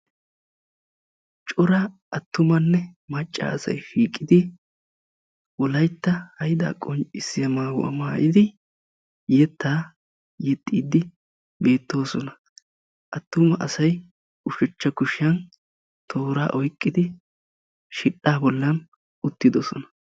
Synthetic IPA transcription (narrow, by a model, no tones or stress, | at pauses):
t͡ʃʼɔɾa | ʔɐt̪ːʊmɐnːɛmɐt͡ʃʼːa̰ːɐsɐ̰jʃiːkʼːɪd̪ɪ | wɔlɐjt̪ːɐhɐjd̪a̰ːkʼɔnt͡ʃʼɪsɪjɐmaːwʊ̰ʔɐ̰maːʔɪd̪ɪ | jɛt̪ːaː | jɛt̪ʼːiːd̪ɪ | be̞ːt̪ːo̞ːsɔnɐ | ʔɐt̪ːʊmɐʔɐsɐj | ʊʃɛt͡ʃːɐkʊʃɪjɐn | t̪ʰoːɾa̰ːʔɔjkʼːɪd̪ɪ | ʃɪᶑaːbɔlːɐn | ʊt̪ːɪd̪ɔsɔ̰nɐ̥